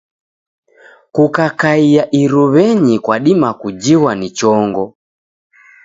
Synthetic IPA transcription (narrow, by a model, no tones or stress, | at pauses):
kukakaiaʔiɾuβɛɲikwaɗimakud͡ʒiwanit͡ʃɔŋɡɔ